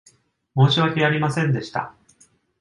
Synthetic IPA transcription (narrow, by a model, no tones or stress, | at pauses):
mo̞ːɕiβakʲejaɾʲimasẽ̞nd̪e̞ɕi̥t̪a̰